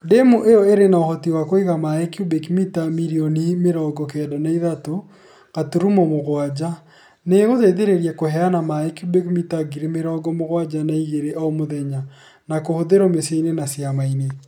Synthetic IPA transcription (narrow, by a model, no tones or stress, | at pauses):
demuʔejɔeɾenaohɔtiwakoiɣamaekjubekmitamiɾionimeɾɔɡɔk̬ɛːdanaiðato | ɣ̥atuɾumɔmoɣwad͡ʒa | neɣoðeðeɾeɾjɛkohɛanamaekjubekmitaɡiɾemeɾɔɡɔmoɣwad͡ʒanaiɣeɾeʔaomoðɛɲa | nakohoðeɾɔmeseinenasjamaine